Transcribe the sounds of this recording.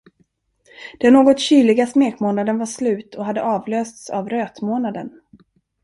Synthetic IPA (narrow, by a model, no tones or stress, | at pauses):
d̪̥ɛnːoːɡɔt̪ɕyːlɪɡasmeːkmoːnad̪ənvaʂlʉ̟ːt̪ʰɔɦad̪ːəʔɑːvløːst̪sa̰vɾøːt̪moːnad̪ən